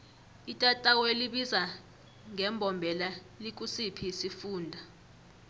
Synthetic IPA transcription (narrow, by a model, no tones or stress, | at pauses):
itʼatʼaweliɓiza | ŋɛmbʱɔmbʱɛla | lik̬ʼusipʰisifuːndʱa